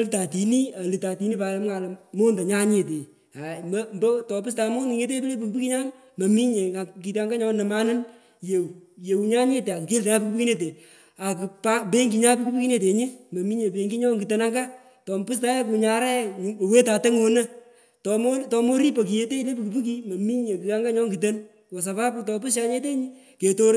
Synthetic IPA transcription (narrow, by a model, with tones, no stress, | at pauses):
lta˨ti˨ni˦a˨li˨ta˨ti˨˦ni˦pa˨ja˨˦m˦ŋa˨lmo˦nda˨ɲa˦ɲe˨t̬e˨ | a˨m˦mbo˦tɔ˨pɨ˦sta˨mo˦ŋi˨ŋe˦t̬e˦bi˦le˦p̬u˨ku˦pu˦ki˦ɲa˦n | mɐ˨mi˦ɲe˨ŋa˨ki˨ta˦ŋɡa˦ɲɔ˦nɐ˨ma˦nɨ˦n | je˨je˨wu˨ɲa˦ɲe˦te˨a˨ke˦lte˨ɲa˦pu˧kupuki˦ne˦t̬e˨ | a˨ki˨pa˦pe˦ŋɡi˨ɲa˦pu˦ku˦pu˦ki˦ne˨t̬e˨ɲi˦mɐ˨mi˦ɲe˨pe˨ŋɡi˦ɲɔ˦ŋɡi˨te˨na˦ŋɡa˦ | tɔ˨mpɨ˦s̬ta˦je˦pu˨ɲa˨ɾɛ˦˨we˦ta˨tɛ˦ŋo˦nə˦ | tɔ˨mo˦tɔ˧mo˦ɾi˦po˨k̬i˨je˦te˦i˦le˦pu˨ku˨pu˦k̬i˦mɐ˨mi˦ɲe˨ki˨a˦ŋɡa˦ɲɔ˦ŋɡi˨t̬e˦n | wɔ˨s̬a˨pa˦pu˦tɔ˧pɨ˦s̬ja˦ɲe˦t̬e˦ɲi˦ | ke˨to˦ɾ